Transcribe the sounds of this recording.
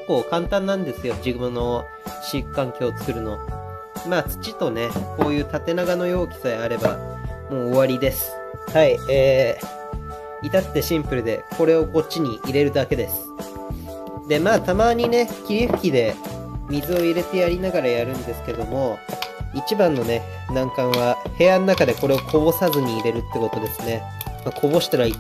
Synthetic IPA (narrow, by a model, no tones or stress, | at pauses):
ke̥kːo̞ːkãnt̪ãnːãnd̪e̞sɨjo̞d͡ʑiɡɯ̟ɯno̞ | ɕikːãŋkʲo̞ːt͡sɨ̥kɯ̟ɾɯ̟no̞ | maːt͡sɨ̥t͡ɕit̪o̞ne̞ko̞ːjɯ̟ːt̪at̪e̞naɡano̞jo̞ːkʲi̥saeaɾe̞ba̰ | mo̞ːβaɾʲid̪e̞sɨ̥ | haieː | it̪at̪ːe̞ɕĩmpɯ̟ɾɯ̟d̪e̞̰ko̞ɾe̞o̞ko̞t͡ɕːiɲ̟iʔːɾe̞ɾɯ̟d̪ake̞d̪e̞sɨ̥ | d̪e̞maːt̪amaːɲ̟ine̞kʲiɾʲiɸɯ̟̥kʲid̪e̞ | mʲizɨo̞iɾe̞t̪e̞jaɾʲinaɡaɾajaɾɯ̟̃nd̪e̞sɨ̥ke̞d̪o̞mo̞it͡ɕibãnːo̞ne̞ | nãŋkãɰ̃βahe̞janonakad̪e̞ko̞ɾe̞o̞kʰo̞bo̞sazɨɲ̟iːɾe̞ɾɯ̟t̪ːeko̞t̪o̞d̪e̞sɨne̞ | makʰo̞bo̞ɕi̥t̪aɾai